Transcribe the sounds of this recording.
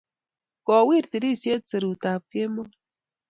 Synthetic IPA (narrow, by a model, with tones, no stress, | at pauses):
kɔ˨wi˦˨ɾti˨ɾi˦˨sje˦t͡sɨ˨ɾu˨ta˨p̚ke˦mɔ˦